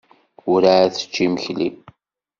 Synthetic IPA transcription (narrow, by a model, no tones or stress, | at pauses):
ʊɾaʕθə̥t͡ʃːiməçlḭm